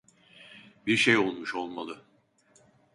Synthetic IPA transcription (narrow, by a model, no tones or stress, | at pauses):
biɾʃejo̞lˠmuʃo̞lˠmalˠɯ